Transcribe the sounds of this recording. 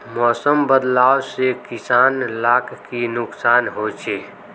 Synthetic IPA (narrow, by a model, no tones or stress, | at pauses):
mɔːsəmbəd̪laːwsekɪsaːnlaːkʰkinʊksaːnɦoːt͡ʃʰeː